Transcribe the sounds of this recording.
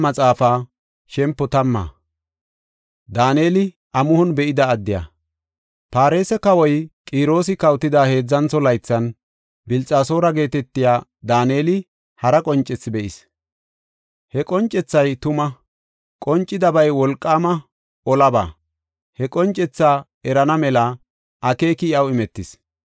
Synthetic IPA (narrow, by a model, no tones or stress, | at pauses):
mɐt͡sʼaːfaː | ʃɛmpːɔt̪ɐmːa̰ː | d̪aːne̞ːlɪ | ʔɐmʊhɔnbɛʔɪd̪ɐːd̪ːɪja̰ː | paːɾe̞ːsɛkɐwɔjkʼiːɾo̞ːs̬ɪkɐwt̪ːɪd̪aːhe̞ːd͡zːɐnt͡sːɔlɐjt͡sːɐn | bɪlt͡sʼaːso̞ːɾɐɡe̞ːt̪ɛt̪ːɪjaːd̪aːne̞ːlɪ | hɐɾɐkʼɔnt͡ʃʼːɛt͡sːbɛʔɪs | hɛkʼɔnt͡ʃʼːɛt͡sːɐjt̪ʊmɐ | kʼɔnt͡ʃʼːɪd̪ɐbɐjwɔlkʼːaːmɐ | ɔlɐba̰ː | hɛkʼɔnt͡ʃʼːɛt͡sːaː | ɛɾɐnɐmɛlɐ | ʔɐke̞ːkɪɪɐwɪmɛt̪ːɪs